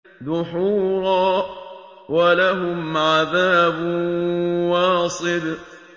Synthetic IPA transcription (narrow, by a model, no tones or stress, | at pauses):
d̪ʊħuːɾˤɑː | walaɦʊmʕaðaːbʊ | wɑːsˤɨb